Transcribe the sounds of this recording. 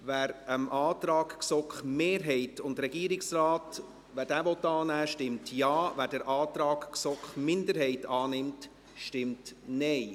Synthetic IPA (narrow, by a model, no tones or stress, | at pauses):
ʋæːɾəmʔɑːt̪ɾɑːkksɔkχmeːɾɦɛɪtʊndɾɛɡ̥iːəɾɪksraːt | ʋæːɾdæːʋɔt̪ːɑːnæːʃtɪmtjɑːvæːɾdəɾʔɑːtɾɑːkksɔkχmɪndəɾɦɛɪtɑːnɪmt | ʃtɪmtnɛɪ